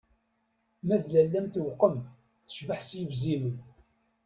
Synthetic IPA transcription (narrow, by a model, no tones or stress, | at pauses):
mæðlælːæmt̪wqːəm | θə̥ʃvəħsjəvzimən